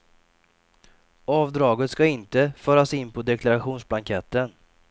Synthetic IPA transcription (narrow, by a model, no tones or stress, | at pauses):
ɑːvd̪ɾɑːɡət̪skaɪnt̪əfœːɾasɪnːpʰɔd̪ɛkʰlaɾaɧuːnsblaŋkʰɛt̪ːən